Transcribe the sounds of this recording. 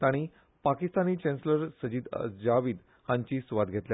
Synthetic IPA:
t̪aɽ̃i | pakist̪aniːt͡ɕɛ̃nsləɾsəd͡ʑiːd̪d͡ʑaʋiːd̪ | hãɲt͡ɕiːsʋat̪ɡʱet̪lja

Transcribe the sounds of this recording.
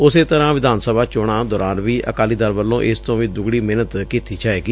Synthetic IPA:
ʊseːt̪əɾãːʋɪd̪aːnsəbʱaːt͡ʃoːɽaːd̪ɔːɾaːnʋiːʔə̰kaːliːd̪əɾʋəlːõːʔɪst̪õːʋiːd̪ʊɡɽiːmeːnət̪kiːt̪iːt͡ʃaːeːɡiː

